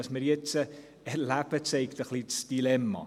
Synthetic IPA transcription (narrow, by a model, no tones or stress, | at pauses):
ɑsməɾjɛt͡sə | ɛɾlæb̥ət͡sɛɪkt̪əχlit͡sd̥ilɛmːɑ̰